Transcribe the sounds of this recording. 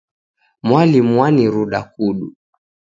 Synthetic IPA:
mwalimwaniɾuɗakuɗu

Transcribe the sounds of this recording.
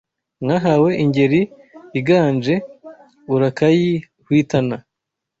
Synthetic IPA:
ŋaɦawe̞ʔiɲɟe̞ɾi | iɡaːnd͡ʒe̞ | uɾakaji | hwiːtana

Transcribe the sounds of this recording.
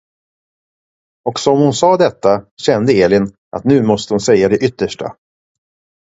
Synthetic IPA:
ɔksɔmhʊnsɑːd̪ɛt̪ːaɕɛnd̪əeːlɪn | ʔa̰t̪nʉ̟ːmɔst̪əhʊnsɛjːad̪ɛʔʏt̪ːəʂʈʰa̰

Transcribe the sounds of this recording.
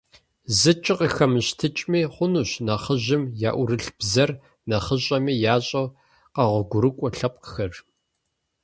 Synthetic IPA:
zɨt͡ʃʼɪqixɐmɨɕtʰɨt͡ʃʼmiːχʷʊnuːɕnɐχəʑɪmja̰ːʔʷʊrɨɬb̥zɐr | nɐχəɕʼɐmiːjaːɕʼɐw | qɐʁʷʊɡʷʊɾɨkʷʼɔɬɐp̚ʷʼxɐr

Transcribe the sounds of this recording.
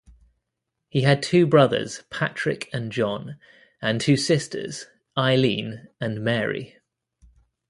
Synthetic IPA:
hiəd̚tʰʉːbɹʌðə̰z̥pʰat͡ʃɹ̥ɪkʰə̃nd͡ʒɒ̃n | ə̃ntʰʉːsɪstʰə̰z̥ | aɪlḭ̃ːnə̃nmɛːɹḭ

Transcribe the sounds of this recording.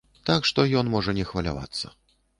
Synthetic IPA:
t̪akʂt̪ɔjɔnmɔʐɐnʲɛxvɐlʲa̰va̰t̪sːɐ̰

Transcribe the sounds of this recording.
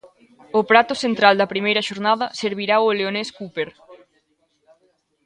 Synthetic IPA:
opɾat̪ʊsent̪ɾald̪ɐpɾimejɾɐʃoɾnað̞ɐseɾβiɾaoleoneskupeɾ

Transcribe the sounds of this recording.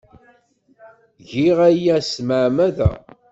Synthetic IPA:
ʝiʁæjæsməʕmæðæ̰

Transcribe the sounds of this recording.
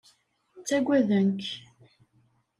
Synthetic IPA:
t͡sːæɡʷæðənk

